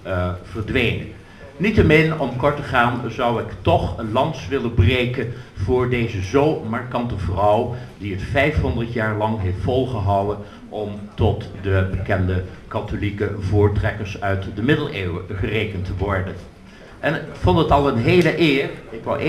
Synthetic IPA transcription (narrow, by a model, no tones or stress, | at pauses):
v̥əɹdʋejnə̰ | nitəmɪnɔmkɔɹtəχaːnzɑwɪktɔχlɑnsʋɪlənbrejkənv̥ʊːɹdejzəzowmaɹkɑntəvrʌwdiətfɛjfɦɔndəɹtjaːɹlɑŋɦejftfɔlˠχəɦɑwən | ʔɔmtɔtdəbəkɛndəkɑtolikəvʊːɹtrɛkəɹsœɥtdəmɪdəlˠeːwəχərejkəntəʋɔɹdən | ʔɛnfɔntətɑlˠənɦejləʔɪːɹɪkʋɑ̰wʔ